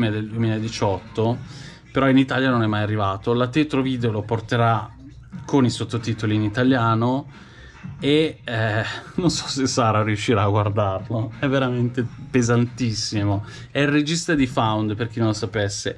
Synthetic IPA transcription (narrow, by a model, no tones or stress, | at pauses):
med̪eld̪uemiːlaed̪it͡ʃɔt̪ːo | peɾɔinit̪aːljanonɛmːajarːivaːt̪olat̪et̪ɾoviːd̪eoloport̪eɾa | kʰonisot̪ːot̪iːt̪oliːnit̪aljaːno | eɛnonsɔsesːaːɾaɾiuʃːiɾaːɡward̪arloɛvːeɾament̪epezant̪isːimo | ɛred͡ʒist̪ad̪ifawnd̪perk̟inõnlosapɛsːe